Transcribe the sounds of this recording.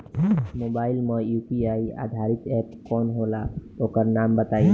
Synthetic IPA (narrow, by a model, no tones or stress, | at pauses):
mobaːɪlmə̃juːpiaia̰d̪ʱaɾit̪ɛpkɔːnɦolaokəɾnambət̪ai